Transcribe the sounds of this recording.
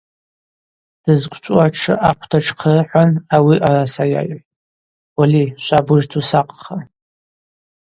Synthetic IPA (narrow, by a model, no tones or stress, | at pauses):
d̥ɨzkʷʼt͡ʃʷʼuaʈ͡ʂʰɨ̰ʔaqʷʰtʰaʈ͡ʂʰqʰərħʷanawiʔarasaja̰j | waliʃʷabɨʒtʰusaqʼχa